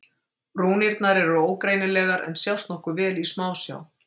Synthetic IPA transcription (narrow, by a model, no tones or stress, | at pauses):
ɾuːniɾt̪naɾɛɾʏoːwkɾeːjnɪlɛːɣaɾʔɛ̰nsjawst̪nɔhkʏvɛːlismaːwsja̰w